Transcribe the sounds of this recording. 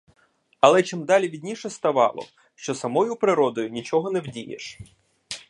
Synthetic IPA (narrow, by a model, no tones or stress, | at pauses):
ɐlˠɛt͡ʃɪmd̪ɑlʲiʋʲidʲnʲiʃɛst̪ɐʋɑ̰lˠɔ̰ | ʃt͡ʃɔsɐmɔjʊpɾɪɾɔd̪ɔjʊnʲit͡ʃɔɦɔnɛwdʲijḛʃ